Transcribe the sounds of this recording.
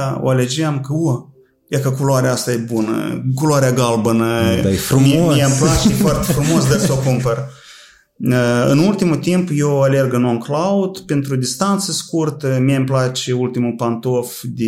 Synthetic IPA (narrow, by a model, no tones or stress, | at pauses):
ao̰aled͡ʒeamkəo | jakəkuloaɾeaast̪ajebunə̰kuloaɾeaɡalbənəjefɾumimijamplat͡ʃefwart̪efɾumo̞sd̪arokumpər | əɨ̰nult̪imut̪impjewale̞rɡɨnonklaud̪pent̪ɾud̪ist̪ant̪səskurt̪əmijamplat͡ʃʲeult̪imupant̪o̞fd̪e